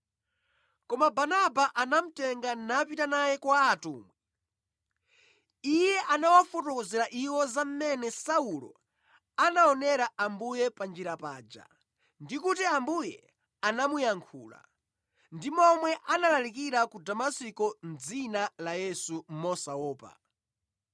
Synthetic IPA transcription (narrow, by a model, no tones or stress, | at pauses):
kɔmabanabaʔanam̩tɛŋɡanapitanajɛkwaːtṵːmwɛ | ijɛʔanawafɔtɔkɔzɛɾaʔiwɔzam̩mɛnɛsaulɔ̰ | anaɔnɛɾaambujɛpand͡ʒiɾapaːd͡ʒa̰ | ndikutiambujɛ̰ | anamujaŋkʰṵːla̰ | ndimɔmwɛʔanalalikiɾakudamasikɔnd͡zinalajɛsumɔsaɔːpa̰